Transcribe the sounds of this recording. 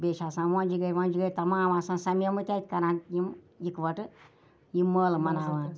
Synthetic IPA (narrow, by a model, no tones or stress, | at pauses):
beːʃaːsãːnʋonʲd͡ʒiɡəɾʲʋɔnd͡ʒiɡəɾʲt̪ɐmaːʋãːsãːnsɐmjɐmɨt̪ʲat̪ʲkɐɾãnjim | jikʋɐʈɨ | jimːəːlmɐnaːʋãːn